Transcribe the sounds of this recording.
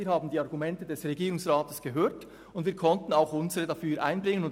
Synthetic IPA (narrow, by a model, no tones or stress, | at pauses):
iːhaːbn̩diːɑɐʁɡumɛntədɛsʁeɡiːʁʊŋsʁaːtəsɡ̥əɦøːɐt | ʊnd̥viːɐkʰɔntn̩aʊxʔʊnzəʁədɑfyːɾʔa̰ɪnbʁɪŋənʊn